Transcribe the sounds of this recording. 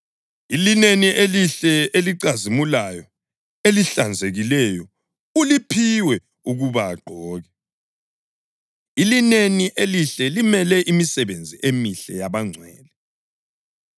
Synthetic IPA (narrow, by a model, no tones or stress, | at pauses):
ilineniʔeliɬɛeliǀazimulajɔ | eliɬand͡zʱeɣilɛjɔ | ulipʰiwɛ | uɣuβaːɡ͡ǃʱɔːɣɛ | ilineniʔeliɬɛlimɛlɛʔimisɛβend͡zʱiʔemiɬɛjaβaŋ͡ǀʱwɛːlɛ